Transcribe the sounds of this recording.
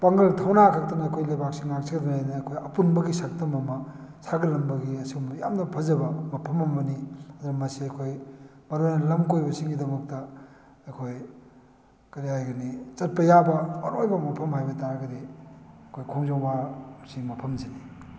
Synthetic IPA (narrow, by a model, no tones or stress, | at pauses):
paŋɡɐltʰawnakʰak̚tɐnɐːkʰojlajbak̚siŋnak̚siɡɐdɐmanɐːkʰojɐpunbɐɡisak̚tɐmɐmɐsʰaɡilɐmbɐɡiɐsimɐja̰mnɐpʰɐzɐbɐmɐpʰɐmɐmɐniɐd̪ɐɾɐmɐsiɐkʰoj | mɐɾojnɐlɐmkojbɐsiŋɡidɐmɐk̚tɐ | ɐjkʰoj | kɐɾiajɡɐnit͡ʃɐt̚pɐjabɐɐɾojbɐmɐpʰɐmhajbɐtaɾaɡɐdiɐkʰojkʰoŋzoŋbasimɐpʰɐmzeni